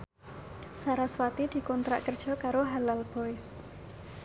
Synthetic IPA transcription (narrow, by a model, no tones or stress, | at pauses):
saɾaswat̪id̪̥i̤kɔnt̪ɾa̰ʔkərd̥ʒ̥ɔ̤kaɾoɦalalb̥ɔɪs